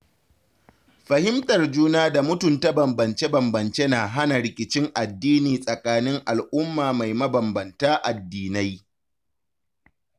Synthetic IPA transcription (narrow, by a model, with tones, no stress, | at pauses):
ɸɐ˨hɪ˦mtʼɐ˨rd͡ʒuː˦naː˦da˨mʊ˦tʊ˨nta˦bɐ˨mbɐ˨nt͡ʃe˦bɐ˨mbɐ˨nt͡ʃe˦naː˨ɦa˦na˨ɾɪ˨kʲɪ˨t͡ʃɪ˦ŋʔa˨dːiː˦niː˨sʼɐ˨kʼaː˦nɪ˦ŋʔa˨lʔʊ˦mːaː˨ma˨jmɐ˦bɐ˨mbɐ˨ntaː˦ʔa˨dːiː˨na˦j